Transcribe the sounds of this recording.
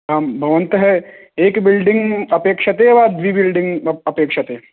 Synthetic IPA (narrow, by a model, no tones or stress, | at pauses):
ɦãːmbʱɐʋɐ̃nt̪ɦɛ | eːkbɪlɖĩŋɡɐpeːkʃɐt̪eːʋaːd̪ʋiːbɪlɖiŋɡɐpeːkʂɐt̪eː